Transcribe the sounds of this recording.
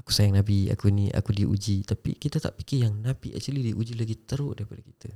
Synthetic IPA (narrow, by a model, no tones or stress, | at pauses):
akusajaŋnabia̰kuniʔa̰kudiʔṵd͡ʒit̪apḭkit̪at̪a̰ʔpikɪjaŋnabiʔa̰ʔt͡ʃulidiʔud͡ʒilaɡit̪əɾʊʔdaɾipadaki̥t̪a